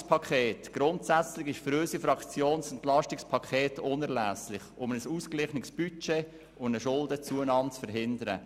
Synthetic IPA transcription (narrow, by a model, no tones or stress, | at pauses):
spʰɑkʰχeːtɡ̥ɾʊntsæt͡slɪχɪʃfɾøːsifɾɑkt͡sjoːnsʊntlɑʃtɪkspʰɑkʰeːtʰʊnɛɾlæːslɪχʊmnəsuːsklɪχnəksb̥yt͡ʃeː | ʊndəʃʊldət͡suənɑːmt͡sfəɾɦɪndəɾə̰